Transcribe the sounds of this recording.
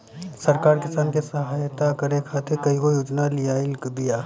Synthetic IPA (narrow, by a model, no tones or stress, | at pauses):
sɐɾkaːɾkɪsaːnkesɐɦaːjt̪akɐɾekʰaːt̪ʰekɐĩkojoːd͡ʒnalɪjaɪlkbijaː